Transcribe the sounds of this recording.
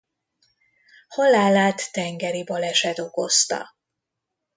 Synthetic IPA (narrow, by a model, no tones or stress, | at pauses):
hɒlaːlaːt̪ːɛŋɡɛɾibɒlɛʃɛt̪o̞ko̞st̪ɒ̰